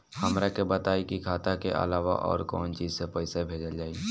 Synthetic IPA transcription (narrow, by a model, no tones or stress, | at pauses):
hɐmɾakebət̪aːikikʰaːt̪akḛʔə̰laːʋa̰ʔɔ̰ːɾkɔːnt͡ʃiːzsepɛɪsebʱeːd͡ʒəld͡ʒaːi